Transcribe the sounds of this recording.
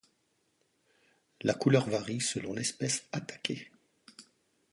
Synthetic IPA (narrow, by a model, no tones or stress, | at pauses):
lakulœʁvaʁisəlɔ̃lɛspɛsat̪ḁkʲʰe